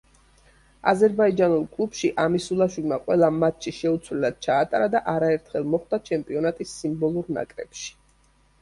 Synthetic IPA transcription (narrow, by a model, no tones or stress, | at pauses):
azɛɾbaid͡ʒanulˠkʼlˠubʃiʔamisulˠaʃwilˠmaqʼwɛlˠamat̪ʰʃiʃɛut̪sʰwlɛlad̪̥̚t͡ʃʰaːt̪ʼaɾad̪aʔaɾaɛɾt̪ʰχɛlˠmɔχd̪at͡ʃʰɛmpʼiɔnat̪ʼisːimbɔlˠuɾna̰kʼɾɛ̰pʃi̥